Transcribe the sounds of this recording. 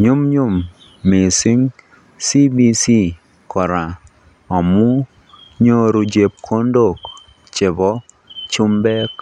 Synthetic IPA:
ɲʊ˦mɲʊ˦mː | ɪ˨sɪ˦ŋ | si˦bi˦si˦ | kʰɔ˨ɾa˨ | ɔ˨mu˦ | ɲo˦ɾu˨d͡ʒe˨p̚kʰo˦ndo˦˨k | t͡ʃɪ˨bɔ˦ | t͡ʃu˦mbɛ˦k

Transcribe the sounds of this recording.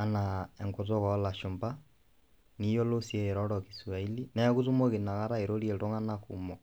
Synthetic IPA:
ana˨ɛ˨ŋko˦t̬ɔ˦kɔ˦la˨ʃo˨mba˦ | ni˦jɔ˦lo˦sie˦˨ɾɔɾɔki˨su˨a˨i˦li˦na˨˦ku˦tu˦mo˦ke˨na˨ka˦ɾa˦e˨ɾo˦ɾi˦ɛ˨tɔ˦ŋa˦na˦kṵmɔ˨

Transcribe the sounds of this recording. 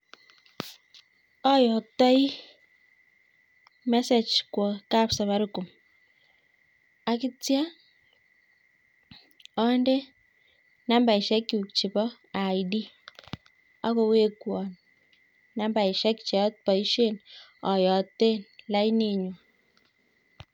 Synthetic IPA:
ɔ˦jɔ˨tːɔ˦i˦ | mɛ˦se˨t͡ʃkwɔ˨ka˦psa˨βa˦ɾʊ˦ku˨m | a˨kɪ˦t͡sja˦ | ɔ˦nde˦ | na˦mba˨i˨ʃɛ˦kːi˨u˨k̚t͡ʃi˨bɔ˦ | a˨jdi˦ | a˦ko˧we˦kwɔ˨n | na˦mba˨i˨ʃɛ˦kt͡ʃɛ˨˦t̚pɔ˨i˦ʃe˦˨nɔ˨jɔ˨tːe˦nla˦jni˨ɲu˨

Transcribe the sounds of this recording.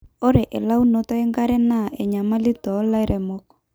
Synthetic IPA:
o˦ɾe˨ʔɛ˨la˦u˦no˨ta˦ɛ˦ŋɡa˦ɾɛ˦na˦˨ʔɛ˨ɲa˨ma˦li˦tɔ˨˦la˦i˦ɾɛ˨mɔ˦kɔ̥˨

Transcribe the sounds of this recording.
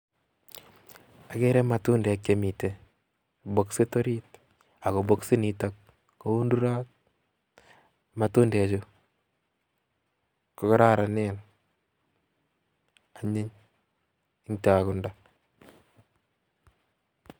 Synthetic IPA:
a˨ke˦ɾɛ˦ma˨tu˦ndɛ˨a˨kemi˨te˨ | bo˨kse˦to˦ɾit̚ | a˨ko˨bo˦ksi˦ni˨tak | ko˦u˦ndu˦ɾa˦k̚ | ma˨tu˦ndɛ˨a˨t͡ʃo | ko˨kɔ˦ɾa˦ɾa˨nen | a˨ɲɪ˦ɲ | ɪ˦ŋta˨a˨kʊ˨nda

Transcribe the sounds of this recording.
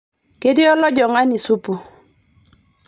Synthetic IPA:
ke˦dɪ˦ɔ˦lɔ˦ɟɔ˨ŋa˦ni˨su˦pu˨

